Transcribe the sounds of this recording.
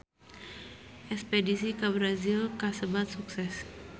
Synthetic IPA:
ʔɛkspɛdisikabɾazilkasəbat̪̚suksɛs

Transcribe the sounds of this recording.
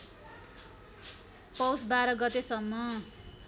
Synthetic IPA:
pʌwsbaɾʌɡʌt̪esʌmːʌ

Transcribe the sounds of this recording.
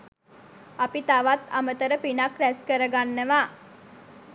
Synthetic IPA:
apit̪aʋat̪amət̪əɾəpinakɾæskəɾəɡanːəʋaː

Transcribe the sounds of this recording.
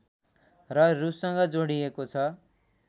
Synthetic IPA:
rʌrussʌŋɡʌd͡zoɽijekot͡sʰʌ

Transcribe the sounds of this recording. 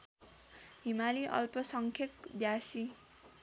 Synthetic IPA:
ɦimaliʔʌ̰lpʌsʌŋkʰekbjasi

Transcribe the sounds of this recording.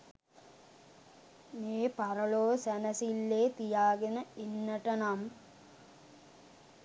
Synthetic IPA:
meːpaɾəɭoːsænəsilːeːt̪ijaːɡenəenːəʈənam

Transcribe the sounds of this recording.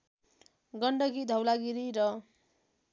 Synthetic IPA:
ɡʌɳɖʌkid̪ʱʌwlaɡiɾiɾʌ

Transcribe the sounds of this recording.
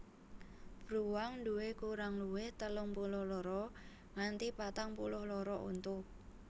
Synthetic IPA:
b̥ɾuwaŋɳd̪uwekuɾaŋluwɪht̪əlʊŋpulʊhlɔɾɔ | ŋant̪ipat̪aŋpulʊhlɔɾɔʔṵnt̪ʊ

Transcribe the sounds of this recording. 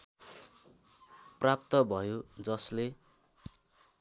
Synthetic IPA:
prap̚t̪ʌbʱʌjod͡zʌsle

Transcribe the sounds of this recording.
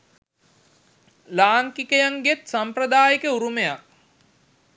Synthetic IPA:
laːŋkikəjaŋɡet̪samprəd̪aːjikəuɾumejak̚

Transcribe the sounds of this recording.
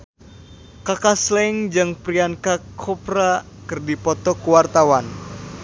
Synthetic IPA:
kakaslɛŋd͡ʒɨŋpɾiankakʰɔpɾa | kɨrdipɔt̪ɔkuwart̪awan

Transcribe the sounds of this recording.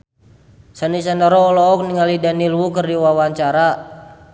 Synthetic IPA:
sanisandaɾɔːlɔɔk̚niŋalidanilwukərdiwawaɲt͡ʃaɾa

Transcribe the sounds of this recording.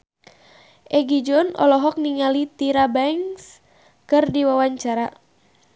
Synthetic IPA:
ʔɛɡid͡ʒɔnɔ̰lɔɦɔk̚niŋalit̪iɾabɛŋs | kɨrdiwawaɲt͡ʃaɾa

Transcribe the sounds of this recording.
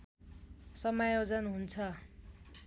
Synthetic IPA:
sʌmajod͡zʌnɦunt͡sʰʌ

